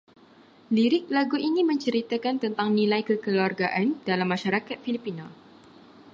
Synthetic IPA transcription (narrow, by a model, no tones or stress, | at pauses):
liɾɪk̚laɡuʔinimə̃ɲt͡ʃəɾit̪akant̪ənt̪aŋnilajkəkəluarɡaʔandalamːãʃaɾakat̪̚filipina